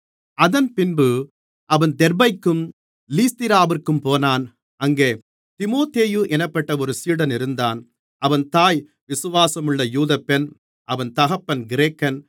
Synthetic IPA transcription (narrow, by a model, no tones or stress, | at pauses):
ɐðɐnpɪnbɯ | ʔɐʋɐnd̪ɛɾbɐɪkːɯm | liːst̪ɪɾaːʋɪrkːɯmpoːnaːn | ɐŋɡeː | t̪ɪmoːt̪eːjɯʔɛnɐpːɐʈːɐɔɾɯsiːɽɐnɪɾɯnd̪aːn | ʔɐʋɐnt̪aːj | ʋɪsɯʋaːsɐmɯɭːɐjuːðɐpːɛn | ʔɐʋɐnt̪ɐɣɐpːɐnɡɪɾeːkːɐn